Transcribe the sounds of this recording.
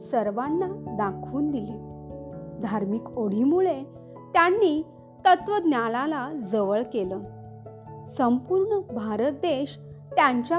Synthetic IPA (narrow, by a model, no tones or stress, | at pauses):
səɾʋanːad̪akʰuːnd̪ili | d̪ʱaɾmikoɽ̤imuɭe | t̪janːi | t̪ət̪ʋəd̪njalalad͡zəʋəɭkelə | səmpuːɾɳəbʱaɾət̪̚d̪eɕt̪jaɲt͡ɕja